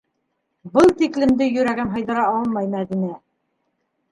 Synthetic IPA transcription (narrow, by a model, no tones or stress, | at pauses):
bɤlˠt̪iklɘ̆md̪ɘjɵ̆ɾæɡɘnɦɤ̆jðɤ̆ɾɑɑlˠmɑjmæðinæ